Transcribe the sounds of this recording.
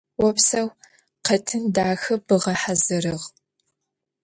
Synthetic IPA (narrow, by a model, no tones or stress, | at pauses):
wɔpsɐw | qɐtʰɨndaːxɨbɨʁɐħazɨɾɨʁ